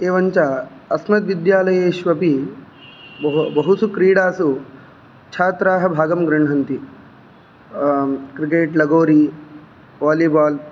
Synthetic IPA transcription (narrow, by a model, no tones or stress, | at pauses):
eːʋɐɲt͡ʃaɐsmɐt̪ʋid̪jaːlɐjeːʃʋɐpi | bɐɦusukɾiːɽaːsu | t͡ʃʰaːt̪ɾaːɦɐ̆bʱaːɡɐmɡɾɐɳ̤ɦɐnt̪i | kɾikeːʈlɐɡoːɾi | ʋaːliːbaːl